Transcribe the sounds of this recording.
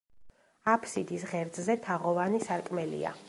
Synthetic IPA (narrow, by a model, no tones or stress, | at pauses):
apʰsid̪isʁɛɾd̪ʼzɛt̪ʰaʁɔvanisaɾkʼmɛlḭa̰